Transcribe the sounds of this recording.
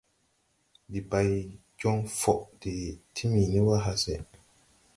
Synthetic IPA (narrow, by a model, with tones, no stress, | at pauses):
di˨ba˨j | d͡ʒɔ˦ŋfɔ˨ʔdi˨tʰi˦mi˨ni˦wa˦ɦa˨sɛ˨